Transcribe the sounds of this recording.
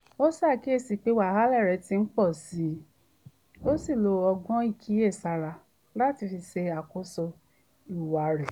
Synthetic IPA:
o˦sa˦˨ki˦e˦˧˨si˧˨k͡pe˦wa˨ha˦lɛ˦˨ɾɛ˨˦tĩ˧n̩˦k͡pɔ˦˨si˨˦ | o˦si˦˨lo˧ɔ˧ɡɔ̃˦i˦˨kʰi˨˦e˦˨sa˧ɾa˧ | la˦˨ti˧fi˧se˧a˨ko˦so˧ | i˨wa˨ɾɛ˨

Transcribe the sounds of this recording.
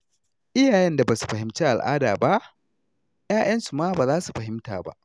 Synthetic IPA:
ʔɪ˦jaː˨jɛ˦nda˨baː˨su̥˨ɸɐ˨ɦɪ˦mt͡ʃe˦ʔa̰˨lʔa̰ː˦da̰ː˨ba˦ʔ | jaː˦j̰ɐ˦nsu˨maː˦baː˨zaː˦su˨ɸɐ˨ɦɪ˦mtaː˨ba̰˦ʔ

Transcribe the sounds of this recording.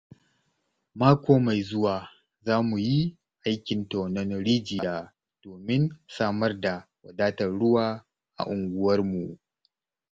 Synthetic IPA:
maː˦kʷoː˦ma˨jzʊ˦waː˨ | zaː˦mu˨ji˦ | ʔa˦jkʲɪ˨ntɔ˨nɐ˦nɽiː˦d͡ʒi˨jaː˦ | d̥oː˨mɪ˦nsaː˦mɐ˦rda˨wɐ˨daː˦tɐ˨rɽʊ˦waː˦ | ʔa̰˨ʔʊ˨ŋɡʷʊ˦wɐ˦rmu˨ʔ

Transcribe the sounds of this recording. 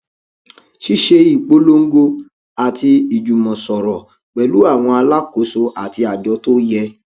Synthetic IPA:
ʃi˦ʃe˧i˦˨k͡po˦lo˦ŋ̩˦ɡo˧ | a˨ti˧i˨d͡ʒu˨mɔ̃˨sɔ˨ɾɔ˨ | k͡pɛ˨lu˨˦a˦˨w̃ɔ̃˧a˧la˦ko˨˦so˧ʔa˨ti˧a˨d͡ʒɔ˨˦to˦jɛ˧

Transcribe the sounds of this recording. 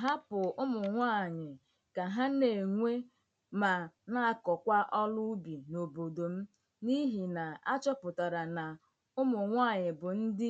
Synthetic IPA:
ɦa˦pʊ˨ʊ˦mʊ˨ŋʷa˦˨ɲɪ˨ | ka˨ɦa˦ne˨ŋʷe˦ | ma˨na˦a˦kɔ˨kʷa˦ʔɔ˦lʊ˦bi˨no˨bo˨do˨m̩˦ | ni˦ɦi˨na˨a˦t͡ʃɔ˦pʊ˨ta˨ɾa˨na˨ | ʊ˦mʊ˨ŋʷa˦˨ɲɪ˨bʊ˨n̩˦dɪ˦

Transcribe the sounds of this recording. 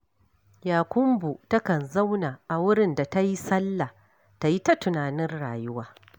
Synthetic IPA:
jaː˨kʷʊ˦mbu˨tɐ˦kɐ˨nza˦wna˨ʔa˨wʊ˦ɽɪ˨nda˨ta˦ji˦sɐ˦lːa˨ | ta˨ji˦ta˦tʊ˨naː˨nɪ˦rɽaː˨jʊ˦waː˦

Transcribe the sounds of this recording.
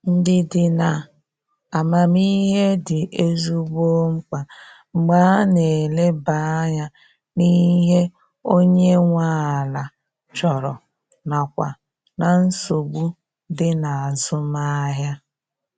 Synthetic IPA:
n̩˦dɪ˦dɪ˨na˨ | a˨ma˨mi˦ɦe˦dɪ˨ʔe˦zu˦ɡ͡bo˦ŋ͡m̩˦k͡pa˨ | ŋ͡m̩˨ɡ͡baː˦ne˨le˦ba˦ɲa˦ | niː˦ɦe˦ | o˦ɲe˦ŋʷa˦a˨la˨ | t͡ʃɔ˨ɾɔ˨ | na˨kʷa̰˨ | na˨n̩˦so˨ɡ͡bu˦ | dɪ˦na˨a˨zʊ˦ma˦ɦja˦

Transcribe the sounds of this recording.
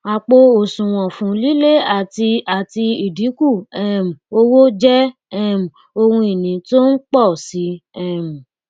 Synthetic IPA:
a˨k͡po˧o˨sũ˨w̃ɔ̃˨fũ˨˦li˦le˦a˦˨ti˧a˨ti˧i˨di˨˦ku˦˨ɛ˦˨m̩˨o˧wo˦d͡ʒɛ˦ | ɛ˦˨m̩˨ | o˧hũ˧i˨nĩ˨˦to˦n̩˦k͡pɔ˦˨si˨˦ɛ˦˨m̩˨

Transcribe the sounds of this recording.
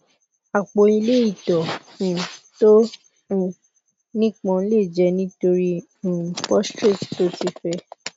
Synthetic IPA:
a˨k͡po˨i˧le˦i˦˨dɔ˨ | ĩ˨tõ˦˨ | nĩ˦k͡pɔ̃˧˦le˦˨d͡ʒɛ˧˦nĩ˦to˧ɾĩ˦˨ | pɔ˦stɾi˦˨tto˦ti˦fɛ˦

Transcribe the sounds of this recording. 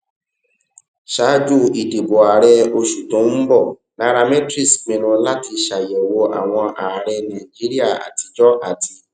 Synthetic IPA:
ʃa˨˦d͡ʒu˦i˨di˨bo˨a˨ɾɛ˧o˧ʃu˨tõ˨˦n̩˦bɔ˦˨ | nã˦ɾa˧mɛ̃˦tɾi˦˨smĩ˧ɾ̃ũ˧la˦ti˧ʃa˨je˨wo˧ʔa̰˨w̃ɔ̃˧ʔa˨ɾɛ˧nã˨d͡ʒi˦ɾi˦a˦˨a̰˨ti˧d͡ʒɔ˦ʔa̰˨tʰi˧

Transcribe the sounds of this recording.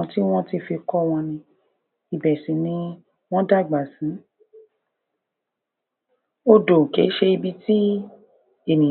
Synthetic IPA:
ɔ̃˧ti˦w̃ɔ̃˦ti˦fi˧kɔ˦w̃ɔ̃˧nĩ˧ | i˨bɛ˨sĩ˨˦nĩ˧ | w̃ɔ̃˦da˦˨ɡ͡ba˨sĩ˨˦ | o˦do˨ke˨˦ʃe˧i˧bi˦ti˦ | e˦˨nĩ˨

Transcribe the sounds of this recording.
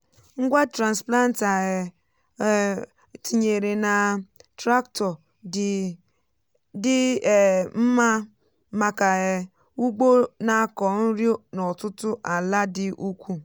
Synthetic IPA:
ŋ̩˦ɡʷa˦tɾa˨nspla˦n˦ta˨ɣɪ˨˦ | tʰi˨ɲe˨ɾe˨na˨tɾa˦ktɔ˨ | dɪ˦˨ | m̩˦ma˦ | ma˨ka˨ɣɪ˨ | u˦ɡ͡bo˦na˨˦kɔ˨n̩˦ɾjo˦nɔ˨tʊ˦tʊ˦ʔa˨la˦dɪ˦ʔu˦kʷu˦

